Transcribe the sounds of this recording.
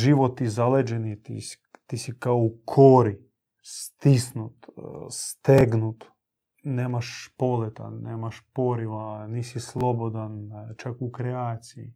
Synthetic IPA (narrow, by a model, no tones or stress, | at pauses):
ʒiʋot̪ːizaled͡ʒenit̪ḭs | t̪isikaoukʰoɾi | st̪isnut̪st̪eɡnut̪ | neːmaʃpo̞let̪a̰neːmaʃpoɾiʋanisislˠobod̪ant͡ʃakukɾeaːt̪siḭ